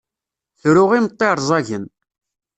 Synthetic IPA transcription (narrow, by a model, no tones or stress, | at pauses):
θɾʊʁimət̪ˤːeɾˤzˤɑʝən